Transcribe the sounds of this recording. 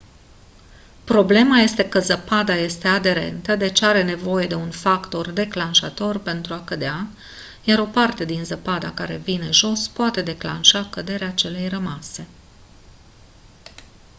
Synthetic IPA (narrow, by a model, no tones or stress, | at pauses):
pɾo̞ble̞maje̞st̪e̞kəzəpad̪aje̞st̪e̞ad̪e̞ɾe̞̰nt̪əd̪e̞t͡ʃaɾe̞ne̞vo̞je̞d̪e̞unfakt̪o̞rd̪e̞klanʃat̪o̞rpe̞nt̪ɾuakəd̪ea | jaɾo̞part̪e̞d̪inzəpad̪a̰kaɾe̞̰vine̞ʒo̞spoat̪e̞d̪e̞kla̰nʃakəd̪e̞ɾeat͡ʃe̞le̞jrəmase̞